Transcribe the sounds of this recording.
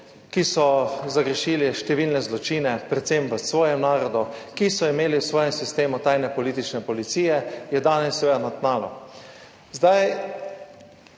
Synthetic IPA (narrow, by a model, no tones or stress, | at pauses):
kisɔzaɡɾɛʃiliʃt̪ɛʋiːlnɛzlɔt͡ʃiːnɛpɾɛt̪semʋəsʋɔːjɛmnaːɾɔd̪ukisɔimeːliwsʋɔːjɛmsist̪eːmut̪ajnɛpɔliːt̪it͡ʃnɛpɔlit̪siːjɛjɛd̪aːnɛsːɛʋeːd̪anat̪naːlɔ̰ | zd̪aj